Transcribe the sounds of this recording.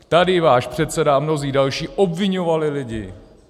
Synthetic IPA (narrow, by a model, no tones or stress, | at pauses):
t̪adɪvaːʃpr̝̥ɛt̪sɛdamno̞ziːdalʃiːʔobvɪɲovalɪlɪɟɪ̰